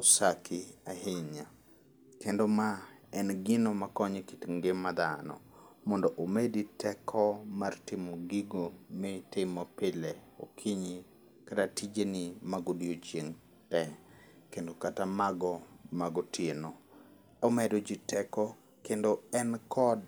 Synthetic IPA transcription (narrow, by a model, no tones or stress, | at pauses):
osakʰiahɪɲa | kendomaɛnɡɪnomakɔɲekitŋɡɪmːad̪anɔ̰ | mɔndɔʔomeditʰɛkʰɔmartɪmɔɡiɡomɪtɪmɔpɪle | okʰiɲi | katatid͡ʒenimaɡodjot͡ʃjeŋ | tɛ | kendokatamaɡɔmaɡotjeno | ɔmɛdod͡ʒitʰɛkɔ | kendoɛnkʰɔd